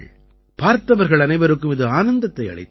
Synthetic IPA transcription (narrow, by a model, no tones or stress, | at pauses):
paːɾt̪ːɐʋɐɾɣɐɭɐnɐɪʋɐɾɯkːɯmɪðɯaːnɐnd̪ɐt̪ːɐɪɐ̰ɭɐɪt̪ː